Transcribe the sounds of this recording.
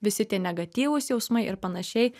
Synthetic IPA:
ʋʲɪsʲɪt̪ʲiɛnʲɛɡɐt̪ʲiːʋʊsjɛʊsmɐɪʔɪɾpɐnɐʃʲɛɪ

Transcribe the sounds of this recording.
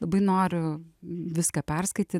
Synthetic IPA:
lˠɐbɐɪnoːɾʲʊʋʲɪskɐpʲɛrskɐɪt̪ʲiː

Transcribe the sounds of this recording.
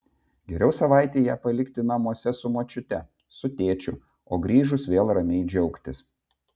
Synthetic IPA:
ɡʲɛɾʲɛʊsɐʋɑˑɪt̪ʲeːjæːpɐlʲɪkʲt̪ʲɪnɐmuɔsʲɛsʊmoːt͡ʃʲʊt̪ʲɛ | sʊt̪ʲeːt͡ʃʲʊ | oːɡɾʲiːʒʊsʋʲeːlˠɾɐmʲɛɪd͡ʒʲɛʊkt̪ʲɪs

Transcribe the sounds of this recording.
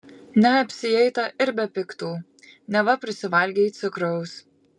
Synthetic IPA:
nʲɛɐpʲsʲɪjɛɪt̪ɐʔɪɾbʲɛpʲɪkt̪uː | nʲɛʋɐpʲɾʲɪsʲɪʋɐlʲɡʲɛt̪sʲʊkɾɐʊs

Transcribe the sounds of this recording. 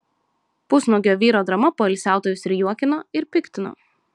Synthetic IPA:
pʊsnoːɡʲoːʋʲiːɾoːd̪ɾɐmɐpoːɛɪlʲsʲæˑʊt̪oːjʲʊsɾʲɪjuɔkʲɪnoːɪɾpʲɪkʲt̪ʲɪno̰ː

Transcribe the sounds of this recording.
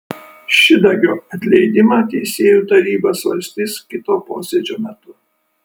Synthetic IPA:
ʃʲɪd̪ɐɡʲoːɐt̪ʲlʲɛɪd̪ʲɪmɑːt̪ʲɛɪsʲeːjuːt̪ɐɾʲiːboːsʋɐ̰lʲsʲt̪ʲiːskʲɪt̪oːpo̰ːsʲeːd͡ʒʲoːmʲɛt̪ʊ

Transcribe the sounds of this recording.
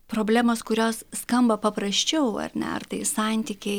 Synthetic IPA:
pɾoːbʲlʲæːmoːskʊɾʲoːsskɐmbɐpɐpɾɐsʲt͡ʃʲɛʊɐ̰ɾʲnʲɛ̰ɐ̰rt̪ɐɪsɑˑnʲt̪ʲikʲe

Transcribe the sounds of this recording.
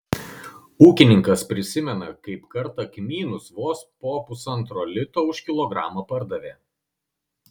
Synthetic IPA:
uːkʲɪnʲɪŋkɐspʲɾʲɪsʲɪmʲɛnɐkɐɪpkɐɾt̪ɐkʲmʲiːnʊsʋoːspoːpʊsɐnt̪ɾoːlʲɪt̪oːʊʃʲkʲɪlˠɔɡɾɑ̰ːmɐpɐɾd̪ɐʋʲeː

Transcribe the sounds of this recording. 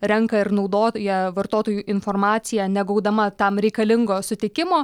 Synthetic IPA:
ɾʲɛŋkɐɪɾnɒʊd̪oːjɛʋɐrt̪oːt̪oːjuːʔɪnfoːrmɑːt̪ʲɪjæːnʲɛɡɐʊd̪ɐmɐt̪ɐmɾʲɛɪkɐlʲɪŋɡoːsʊt̪ʲɪkʲɪmoː

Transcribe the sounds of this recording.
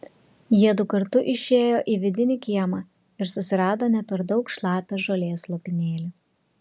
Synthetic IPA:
jiɛd̪ʊkɐɾt̪ʊʔɪʃʲeːjoːʔiːʋʲɪd̪ʲɪnʲɪkʲiɛmɑ | ɪɾsʊsʲɪɾɑːd̪oːnʲɛpʲɛɾd̪ɒʊkʃlˠɑːpʲɛʒoːlʲeːslˠopʲɪnʲeːlʲu

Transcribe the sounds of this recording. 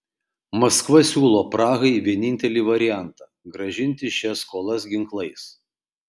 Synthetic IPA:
mɐskʋɐsʲuːlˠoːpɾɑːɣɐɪʋʲiɛnʲɪnʲt̪ʲɛlʲiːʋɐɾʲɪjæˑnt̪ɑːɡɾɐʒʲɪnʲˑt̪ʲɪʃʲɛskoːlˠɐsɡʲɪŋklˠɐɪs

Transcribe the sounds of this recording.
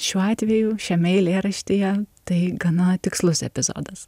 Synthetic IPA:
ʃʲuːɑːt̪ʲʋʲɛjuːʃʲɛmʲɛɪlʲeːɾɐʃʲt̪ʲijɛt̪ɐɪɡɐnɐt̪ʲɪkslˠʊsɛ̰pʲɪzo̰ːd̪ɐs

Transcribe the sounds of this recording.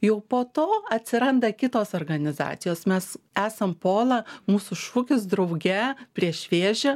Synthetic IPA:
jɛʊpoːt̪oːɐt̪ʲsʲɪɾɐnd̪ɐkʲɪt̪oːsoːrɡɐnʲɪzɑ̰ːt̪ʲɪjoːsmʲɛs | æːsɐmpoːlˠɐmuːsʊʃuːkʲʊsd̪ɾɐʊɡʲɛpʲɾʲiɛʃʲʋʲeːʒʲɛ

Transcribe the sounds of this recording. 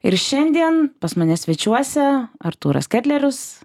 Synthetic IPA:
ɪɾʃʲɛnʲd̪ʲiɛnpɐsmɐnʲɛsʲʋʲɛt͡ʃʲuɔsʲɛɐɾt̪uːɾɐ̰skʲæːt̪ʲlʲɛɾʲʊs

